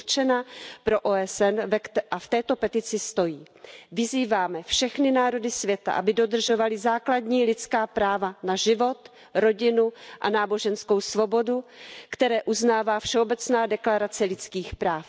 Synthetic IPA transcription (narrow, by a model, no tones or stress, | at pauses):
t͡ʃɛnapɾo̞ʔoːɛsɛnvɛʔaft̪ɛːt̪o̞pɛt̪ɪt͡sɪst̪o̞jiː | vɪziːvaːmɛfʃɛxnɪnaːɾo̞dɪsvjɛt̪a̰ʔa̰bɪdo̞d̪r̩ʒo̞valɪzaːkladɲiːlɪt͡skaːpɾaːvanaʒɪvo̞t̪ | ɾo̞ɟɪnuʔa̰naːbo̞ʒɛnsko̞wsvo̞bo̞dukt̪ɛɾɛːʔuznaːvaːfʃɛobɛt͡snaːdɛklaɾat͡sɛlɪt͡skiːxpɾaːf